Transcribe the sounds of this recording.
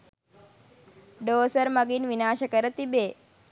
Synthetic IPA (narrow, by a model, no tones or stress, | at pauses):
ɖoːsəɾmɐɡinʋinaːʃɐkəɾət̪ibeː